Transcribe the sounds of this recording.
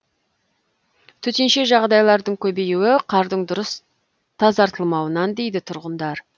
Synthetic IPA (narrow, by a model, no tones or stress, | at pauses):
t̪ʰɵt̪enʃe̞ʒɑʁd̪ɑjlˠɑɾd̪əɴkʲʰɵbe̞juwɪqʰɑɾd̪əɴd̪ʊɾəs | t̪ʰɑzɑɾt̪əlˠmɑwənɑnd̪e̞jd̪ɪt̪ʰʊɾʁənd̪ɑɾ